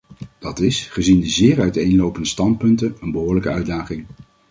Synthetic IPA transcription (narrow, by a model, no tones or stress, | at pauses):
d̥ɑtɪsχəzindəzɪːɹœɥtejnlowpəndəstɑnt̚pɵntənənbəɦʊːɹləkəœɥdaːχɪŋ